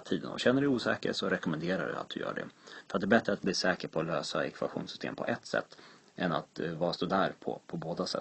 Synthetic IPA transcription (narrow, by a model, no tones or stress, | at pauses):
t̪ʰiːd̪ə̰nɔ̰ɕɛnːəɖɛjuːsɛ̰ːkə̰ʂɔɾɛkɔmɛnd̪eːɾaɖɵ̰a̰t̪̚d̪ɵjœ̰ːɖɛ̰fəɾat̪d̪ɛːbɛt̪ɾəat̪̚bliːʂɛːkəɾpʰɔːløːsaɛkʰva̰ɧṵːnsʏ̥st̪ʰḛːmpʰɔ̰ʔɛt̪ːsɛ̰t̪ː | ʔɛnat̪vɑːɾast̪oːd̪æːɾpʰɔ̰pʰɔboːd̪asɛ